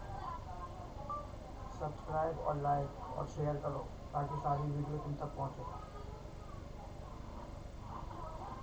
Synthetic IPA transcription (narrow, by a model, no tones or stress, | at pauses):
səbskɾajbɔ̰ɾlaɪkʰɔ̰ɾʃejəɾkəɾo | takesaːd̪ʱibʱiɖijokunt̪ək̚pɔɦʊ̃t͡ʃo